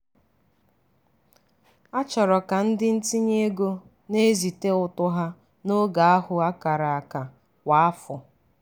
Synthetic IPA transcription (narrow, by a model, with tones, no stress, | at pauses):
a˦t͡ʃɔ˨ɾɔ˨ka˨n̩˦dɪ˦n̩˦ti˦ɲe˦ɡo˦ | ne˦zi˨te˦ʊ˨tʊ˦ɦa˦ | no˦ɡa˨a˦hʊ˨a˦ka˨ɾa˨a˨ka˨ | wa˨a˦fʊ˨